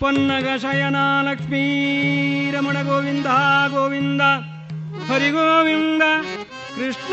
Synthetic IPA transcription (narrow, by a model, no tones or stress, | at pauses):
pɐnːɐɡɐʃɐjɐnaːlɐkʂmiː | ɾɐmɐɳɐɡoːʋind̪ɐɦɐɡoːʋind̪ɐ | pɐɾiɡoːʋind̪ɐ | kɾiʂ